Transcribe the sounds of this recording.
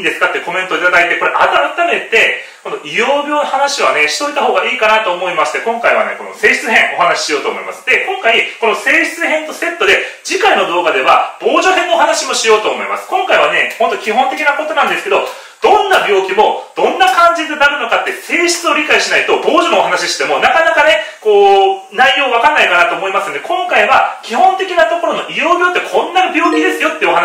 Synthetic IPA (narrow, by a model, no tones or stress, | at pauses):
ind̪e̞sɨ̥kat̪ːeko̞mẽnt̪oit̪ad̪ait̪e̞ko̞ɾe̞ʔat̪aɾat̪ame̞t̪e̞ko̞noʔijoːbʲjo̞ːnohanaɕiβ̞ane̞ɕi̥t̪o̞it̪aɦo̞ːɡaʔiːkanat̪o̞ːmo̞imasɨ̥t̪ːe̞kõ̞ŋkaiβa̰ne̞ko̞no̞̰se̞ːɕi̥t͡sɨɦẽ̞ŋ̃ʔo̞hanaɕi̥ɕijo̞ːt̪o̞ːmoimasɨ̥d̪̥e̞kõ̞ŋkaiko̞no̞se̞ːɕi̥t͡sɨɦẽ̞nt̪o̞se̞t̪ːo̞d̪e̞d͡ʑikaino̞d̪o̞ːɡad̪e̞βab̥o̞ːʑoɦẽ̞nːoːhanaɕimo̞ɕijo̞ːt̪o̞ːmo̞imasɨ̥kõ̞ŋkaiβane̞hont̪okʲihõ̞nt̪e̞kʲinako̞t̪o̞nãnd̪e̞sɨ̥keo̞̰ | d̪̥õ̞nːabʲjo̞ːkʲimo̞d̪̥õ̞nːakãɲ̟d͡ʑid̪enaɾɯ̟no̞kat̪ːe̞se̞ːɕi̥t͡sɨo̞ɾʲikaiɕinait̪o̞bo̞ːʑo̞noːɦanaɕiɕi̥t̪e̞mo̞nakanakane̞ko̞ː | naijo̞ːβakanːaikanat̪o̞ːmo̞imasɨnod̪e̞kõ̞ŋkaiβakʲihõnt̪e̞kʲinat̪o̞ko̞ɾo̞no̞ʔijo̞ːbʲo̞ːt̪ːekʰõ̞nːabʲo̞ːkʲid̪e̞sɨjo̞t̪ːeɯohan